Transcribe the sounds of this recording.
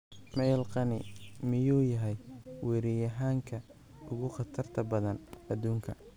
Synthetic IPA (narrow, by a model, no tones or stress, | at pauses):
mɛjlqɑnɪ̰mɪjuːjɐɦɛjwɛɾijɐɦaːŋkʰɐ | ʊɣʊχɑt̪ʰɐrt̪ʰɐbɐðɐnɐd̪uːŋkʰɐ